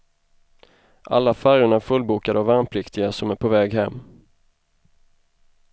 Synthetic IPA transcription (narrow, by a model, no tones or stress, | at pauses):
ʔa̰lːafæɾʊɳaɾfɵlːbuːkad̪ɔvanpʰlɪkt̪ʰɪɡasɔmæɾpʰɔvɛːɡɦɛmː